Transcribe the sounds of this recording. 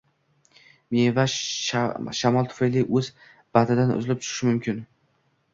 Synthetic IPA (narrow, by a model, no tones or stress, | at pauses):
meva | ʃamɒlˠt̪ʰʊ̥fajliʔɵz | bad̪ɪd̪anʊ̰zɪlɪp̚t͡ʃʰʊ̥ɪʃɪmʊmkʲʰɪn